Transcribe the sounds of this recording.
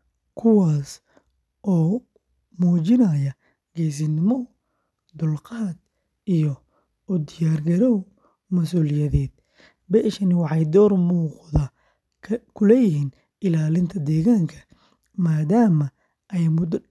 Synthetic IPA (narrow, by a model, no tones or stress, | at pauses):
kʰʊwɑːs | ʔɔː | mɔːt͡ʃɪnɐjɐ | ɡɛːs̬ɪnɪmɔ | d̪ʊlqɑːd̪ | ijɔ | ʊd̪ɪjaːrɡɐɾɔw | mɐsuːlɪjɐðɛːd̪̥̚ | bɛːʃɐnɪwɑħɑjd̪ɔːrmuːqðɐ | kʰʊlɛjɪɦiːn | ɪlaːlɪnt̪ʰɐd̪ɛːɣaːŋkʰɐ̥ | maːd̪aːmɐ | ɛjmʊd̪